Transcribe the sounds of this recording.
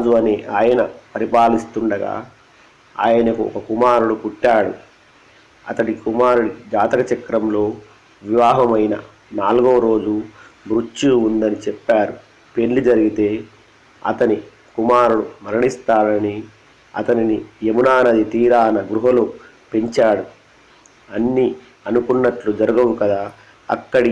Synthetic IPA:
d͡ʒuɐneːʔaːjɐnɐpɐɾipaːlist̪uɳɖɐɡa̰ː | a̰ːjɐnɐkuɔ̰kɐkumaːɾuɽupuʈːaːɽṵ | ɐ̰t̪ɐʈikumaːɾuɽid͡ʒaːt̪ɐkɐt͡ʃɐkːɾɐmlo̞ː | ʋiʋaːɦɐmɐjnɐ | naːlɡoːɾo̞ːd͡ʒubɾut͡ʃːuuund̪ɐnit͡ʃɛpːaːɾu | peɳlid͡ʒɐɾiɡit̪e̞ː | ɐ̰t̪ɐni | kumaːɾuɽumɐɾɐɳist̪aːnɐni | ɐ̰t̪ɐninijemunaːnɐd̪it̪iːɾaːɐnɐɡɾuɦɐlu | pe̞ɲt͡ʃaːɽu | ɐnːi | ɐnukunːɐʈlud͡ʒɐɾuɡɐʋukɐd̪aː | ɐ̰kːɐɽi

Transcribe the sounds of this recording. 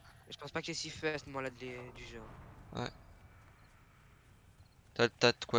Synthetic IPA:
ʒə̥pɑ̃spakʲiɛsifɛst̪mɔ̃lad̪led̪yʒɑ̃ːʁwɛ̰ | t̪at̪ːat̪kwa

